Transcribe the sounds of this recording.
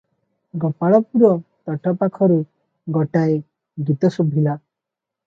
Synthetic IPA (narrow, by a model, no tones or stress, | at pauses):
ɡɔpaɭɔpuɾɔt̪ɔʈɔpakʰɔɾu | ɡɔʈae | ɡit̪ɔsobʱila